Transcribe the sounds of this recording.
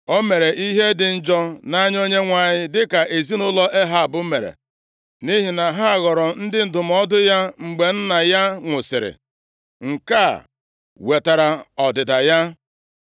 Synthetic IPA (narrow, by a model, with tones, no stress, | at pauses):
o˦me˨ɾe˨ʔi˦ɦe˦dɪ˨n̩˦d͡ʒɔ˦na˦ɲ˦o˦ɲe˦ŋʷa˨ɲɪ˦dɪ˦ka˨ʔe˨zi˦nʊ˦lɔ˦ʔe˦ɦa˦a˨bʊ˦me˨ɾḛ˨ | ni˦ɦi˨na˨ɦa˦a˨ɣɔ˨ɾɔ˨n̩˦dɪ˦n̩˨dʊ˨m˨˦ɔ˦dʊ˦ja˦ŋ͡m̩˨ɡ͡be˨n̩˦na˨ja˦ŋʷʊ˨sɪ˨ɾɪ̰˨ | ŋ̩˨ka̰˦˨ | we˨ta˨ɾa˨ɔ˨dɪ˨da˨ja˦